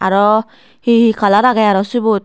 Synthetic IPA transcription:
aɾɔ | hihikʰalaɾaɡajaɾɔsubut̪̚

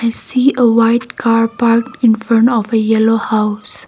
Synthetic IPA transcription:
aɪsiːʔəwaɪt̚kʰaːɹpaɹkɪ̃nfə̃nɔfəjɛlohaʊs

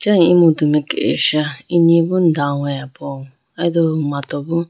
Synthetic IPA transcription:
t͡ʃaŋimodumekḛḛʃaiɲebʊn̩daŋʷejapɔŋʊ | adoumatɔbʊ

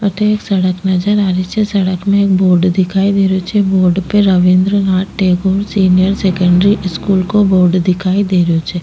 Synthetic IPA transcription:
ət̪ʰeeːksɐɽəknɐd͡ʒəɾaːɾit͡ʃʰesɐɽəkmẽeːk̚boːɾɖd̪ɪkʰaːid̪eːɾijot͡ʃʰeboːɾɖpeɾəʋɪ̃nd̪ɾənaːʈːeːɡoːɾsiːnijəɾseːkə̃ɳɖɾiʔɪskuːlkoboːɾɖd̪ɪkʰaːid̪eːɾijot͡ʃʰe

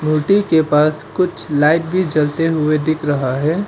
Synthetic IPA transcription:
muːʈikepaːskʊt͡ʃʰlaːɪʈ̚bʱid͡ʒɐlt̪eɦʊed̪ɪkʰɾɐɦaɦɛː

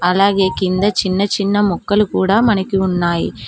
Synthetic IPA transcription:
ɐlaːɡe̞ːkind̪ɐt͡ʃinːɐt͡ʃinːɐmɔkːɐlukuːɽaːmɐnɐkiunːaːji

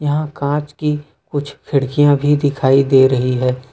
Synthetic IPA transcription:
jɐɦãkãːt͡ʃki | kʊt͡ʃʰkʰɪɽkijãbʱid̪ɪkʰaːid̪eːɾɐɦiɦɛː

